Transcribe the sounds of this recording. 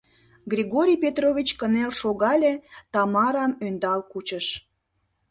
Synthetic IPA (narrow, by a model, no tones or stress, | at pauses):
ɡrʲiɣoɾʲijpet̪rovʲit͡ɕkənelʃoɣɑlʲet̪ɑmɑɾɑmønd̪ɑlkut͡ɕəʃ